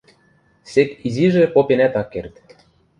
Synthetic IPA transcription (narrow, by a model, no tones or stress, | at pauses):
sekiziʒĕpopʲenæt̪ɑkːert̪